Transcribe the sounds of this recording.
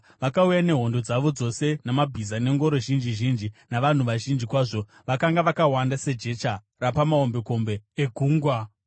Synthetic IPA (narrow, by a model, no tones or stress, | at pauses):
ʋakaujane̞ɦo̞ndo̞d͡zaʋo̞d͡zo̞se̞namabʱizane̞ŋɡo̞ɾo̞ʒind͡ʒiʒind͡ʒinaʋan̤uʋaʒind͡ʒikwaːʐo̞ | ʋakaŋɡaʋakawandase̞d͡ʒe̞t͡ʃa | rapamao̞mbe̞ko̞mbe̞eɡʱuːŋɡwa